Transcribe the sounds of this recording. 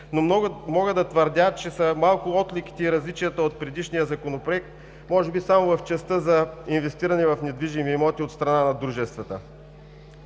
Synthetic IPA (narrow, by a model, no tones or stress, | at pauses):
nomɔɡəd̪ɐt̪vəɾd̪ʲat͡ʃɛsɐmalˠkʊɔt̪liki̥t̪ɛiɾɐzlit͡ʃijət̪əot̪̚pɾɛd̪iʃnijəzɐkonopɾoɛk̚t̪̚ | mɔʒɛbisamovɐft͡ʃɛst̪əzɐinvɛst̪iɾɐnɛvɐfnɛd̪viʒimimɔt̪iot̪st̪ɾɐnanɐd̪ɾuʒɛst̪vət̪ə̰